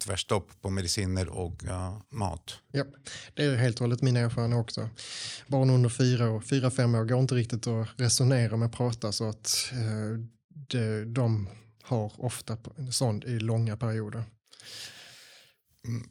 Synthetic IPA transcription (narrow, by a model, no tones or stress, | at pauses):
t̪ʰvæ̰ʂt̪ɔpːpʰɔmɛd̪ɪsiːnəɾɔ̰kmɑ̰ːt̪jɑːd̪̥ɛæɾɦeːlt̪ʰhɔːlːət̪mɪːnaeːɾfɑːɾand̪əɔksɔbɑːɳɵnd̪əɾfyːɾaɔfyːɾafɛmːoːɾɡoːɪnt̪əɾɪk̚t̪ɪt̪ɔɾɛsʊneːɾamɛpʰɾɑːt̪asɔat̪ | d̪̥ɛd̪ɔm | haɾɔft̪asɔnd̪ɪlɔŋːapʰæɾɪuːd̪əɾ